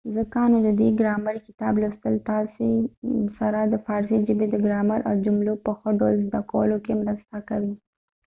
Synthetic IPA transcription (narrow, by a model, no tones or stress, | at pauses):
zəkɑned̪əd̪eɡɾɑmaɾkɪ̥t̪ɑblast̪əlt̪ɑsesaɾad̪əfɑɾsid͡ʒɪbed̪əɡɾɑmaɾʔa̰wd͡ʒʊmlopəxoɖawlzd̪akawə̰lokemɾəst̪akawim